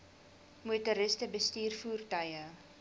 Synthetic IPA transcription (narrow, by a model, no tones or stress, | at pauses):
muətəɾəstəbəstiːrfuːrtɐjə